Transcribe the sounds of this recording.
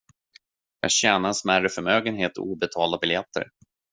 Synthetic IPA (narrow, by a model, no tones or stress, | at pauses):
jɑ̰ːɡɕɛːnaɾɛnsmærəfœɾmøːɡənɦeːt̪ɔ̰uːbɛt̪ʰɑːld̪abɪljɛt̪ʰːə̰ɾ